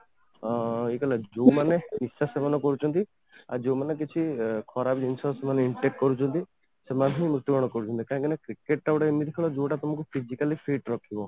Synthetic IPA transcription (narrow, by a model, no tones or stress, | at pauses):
ekɔlad͡ʒowmanenisasebanɔkɔɾut͡ʃʰɔnt̪i | a̰d͡ʒowmanek̬it͡ʃʰikʰɔɾabd͡ʒinsɔsemaneiɳʈekʈkɔɾut͡ʃʰɔnt̪i | semanɦɔimɾut̪ːɔɡɔɽ̃ɔkɔɾut͡ʃʰɔnt̪ikaɦãŋkinakɾikeʈːabʈaemid̪ikʰɔlɔd͡ʒoʈat̪ɔmɔkupʰid͡ʒikalipʰeʈɾɔkʰibɔ